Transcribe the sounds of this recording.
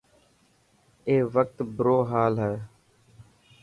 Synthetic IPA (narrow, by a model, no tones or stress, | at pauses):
eːʋək̚t̪bɾoːɦaːlɦɛː